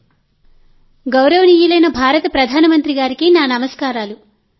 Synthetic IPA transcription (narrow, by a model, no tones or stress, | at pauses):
ɡɐwɾɐʋɐniːjulɐjnɐbʱaːɾɐt̪ɐpɾɐd̪ʱaːnɐmɐnt̪ɾiɡaːɾikinaːnɐmɐskaːɾaːlu